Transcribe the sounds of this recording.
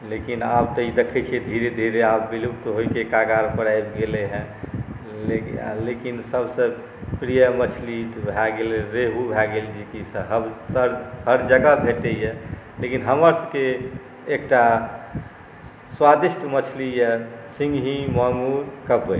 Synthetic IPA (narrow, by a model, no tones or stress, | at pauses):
lekinabt̪ɔid̪ekʰɛt͡ʃʰiɛd̪ʱiɾed̪ʱiɾeabːilubt̪ɦoikekaɡaɾpəɾajbɡeleɦɛ̃ | lekinsəbsə̃ | pɾijəmət͡ʃʰlibʱɛɡelɾeɦubʱɛɡeld͡ʒekisəɦəbsəɾhəɾd͡ʒəɡabʱeʈejelekinɦəməɾsə̃keː | kʈa | swad̪isʈmət͡ʃʰlijɛsĩŋɡɦĩmamuɾkəbəj